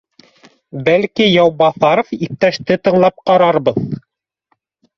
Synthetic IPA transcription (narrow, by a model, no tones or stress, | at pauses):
bælkijɑwbɑθɑɾofip̚t̪æʃt̪ɘt̪ɤ̆ɴlˠɑp̚qɑɾɑɾbɤð